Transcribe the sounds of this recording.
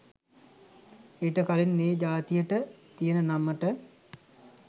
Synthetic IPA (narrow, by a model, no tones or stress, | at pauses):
eʈəkalinːeːd͡ʒaːt̪ijəʈət̪ijənənaməʈə